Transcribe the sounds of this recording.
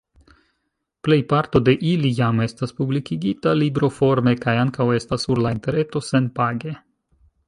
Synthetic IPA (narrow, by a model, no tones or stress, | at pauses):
ple̞jpaɾto̞de̞ʔilijame̞staspublikiɡitalibɾo̞fo̞ɾme̞kajaŋkawe̞stasːuɾlainte̞ɾe̞to̞se̞npaɡe̞